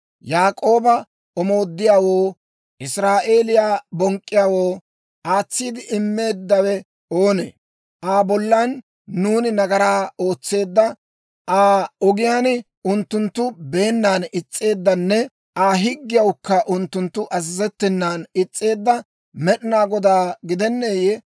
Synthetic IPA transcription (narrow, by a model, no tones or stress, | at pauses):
jaːkʼo̞ːbɐ | ɔmo̞ːd̪ːɪjaːwo̞ː | ʔɪsɾaːʔe̞ːlɪjaːbɔŋkʼːɪjaːwo̞ː | ʔaːt͡sːiːd̪ɪʔɪmːe̞ːd̪ːɐwɛ | oːnḛ | ʔaːbɔlːanː | uːnɪnɐɡɐɾaːoːt͡sːe̞ːd̪ːɐ | ʔaːɔɡɪjaːn | ʊnt̪ːʊnt̪ːʊbe̞ːnːaːnɪt͡sʼːe̞ːd̪ːɐnːɛ | ʔaːɦɪɡːɪjɐwʊkːɐʔʊnt̪ːʊnt̪ːʊʔɐzɪzɛt̪ːɪnːaːnɪt͡sʼːe̞ːd̪ːɐ | mɛɗɪnaːɡɔd̪aːɡɪd̪ɛnːeːjɛ